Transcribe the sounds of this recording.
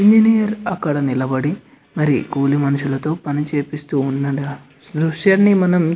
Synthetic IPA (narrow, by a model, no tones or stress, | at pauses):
iɲd͡ʒinijɐɾɐkːɐɽɐnilɐbɐɽi | mɐɾikuːlimɐnuʃulɐt̪o̞ːpɐnit͡ʃeːpist̪uːnːɐɖɐ | d̪ɾuʂjanːimɐnɐm